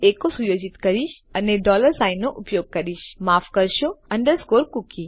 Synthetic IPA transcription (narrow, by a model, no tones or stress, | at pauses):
eːkosujoːd͡ʒɪt̪kəɾiʃ | ɐneɖɔːləɾsaːɪnːoʔʊpjoːɡ̚kɐɾiʃmaːfkəɾʃoɐ̃ɳɖəɾskoːɾkuki